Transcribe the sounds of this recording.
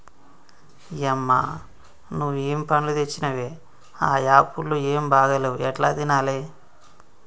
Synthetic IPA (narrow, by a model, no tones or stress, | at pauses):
jɛmːa̰ | nuʋueːmipɐnlut̪et͡ʃːinɐʋe | aːjaːpulːueːmbʱaːɡɐluɛʈlaːd̪inaːle